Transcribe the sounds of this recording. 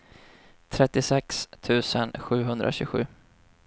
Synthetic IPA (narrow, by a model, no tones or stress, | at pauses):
t̪ʰɾɛt̪ːɪsɛkst̪ʰʉ̟ːsənɧʉ̟ːɦɵnd̪ɾʔa̰ɕɵɡɧʉ̟ː